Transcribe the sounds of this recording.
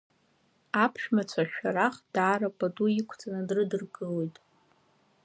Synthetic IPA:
apʰʃᶣmat͡ɕʷʰaʃᶣaɾaχd̥aːrapʼaduikʷʰt͡sʼanɨdrɨdɨrɡɨlojtʼ

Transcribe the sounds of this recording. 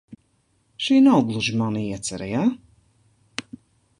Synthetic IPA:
ʃiːnawɡlˠuʒimanɨiɛt̪sʲaɾajaː

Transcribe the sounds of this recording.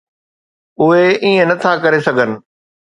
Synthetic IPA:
ʊɦeiːə̃nɐt̪ʰakɐɾesɐɡʱənɪ̆

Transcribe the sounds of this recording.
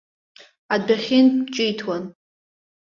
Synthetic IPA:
adaχʲɪnt͡ʃʼɪjtʰwan

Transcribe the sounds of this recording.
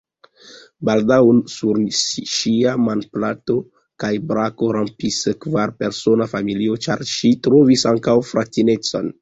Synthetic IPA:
baldawnsuɾʃiamanplato̞ | kajbɾako̞ɾampiskvaɾpe̞ɾso̞nafamilio̞t͡ʃaɾʃitɾo̞visaŋkawfɾʔatine̞t͡so̞̰n

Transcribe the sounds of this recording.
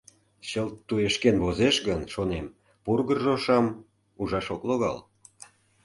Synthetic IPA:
ɕəlt̪ːueʃkenvozeʃɣənʃonem | purɣərʒoʃɑm | uʒɑʃokloɣɑ̰l

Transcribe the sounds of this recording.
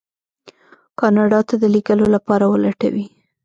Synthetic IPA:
kɑnɑɖɑt̪ad̪əlikəlolapɑɾawəlaʈa̰wi

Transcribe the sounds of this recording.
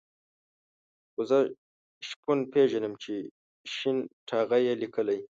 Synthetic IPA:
xozə | ʃpunpeʒanəmt͡ʃe | ʃinʈʰɑɣajelikəlaj

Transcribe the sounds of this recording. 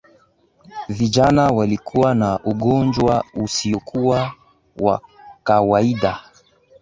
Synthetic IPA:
viʄanawalikʰuwanaʔuɠɔnd͡ʒwausiɔkuwa | wa̰kawaiɗa

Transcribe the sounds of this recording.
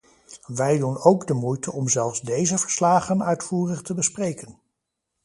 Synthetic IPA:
ʋɛjdunowɡdəmujtəɔmzɛlˠfzdejzəvəɹslaːχənœɥtfuːrəχtəbəsprejkən

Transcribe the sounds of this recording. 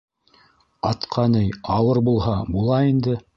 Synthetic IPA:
ɑt̪qʰɑnɤjɑwɤɾbulˠhɑbulˠɑind̪ɘ

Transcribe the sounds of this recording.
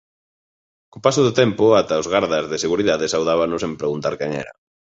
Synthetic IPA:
kopasʊðʊt̪ɛmpʊat̪aʊzɣaɾðɐzðɪseɣuɾiðaðɪsawðaβanʊsempɾeɣunt̪aɾkɛŋɛ̰ɾɐ̰

